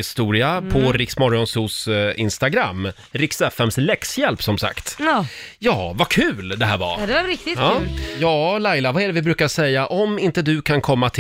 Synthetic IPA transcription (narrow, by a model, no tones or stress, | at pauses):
ɪst̪uːɾɪapʰɔɾɪksmɔɾaɔnsuːsɪ̰nst̪aɡɾa̰mː | ɾɪksɛfɛmslɛksjɛlpsɔmsa̰kt̪ː | jɑːvakʰʉ̟ːld̪ɛɦæːɾva̰dɛaɾɪk̚t̪ɪɑːjɑːlajlavaɛɖɛvɪbɾʉ̟ːkaɾʂɛjːaʔɔmɪnt̪əd̪ɵkʰankʰɔmːat̪ʰ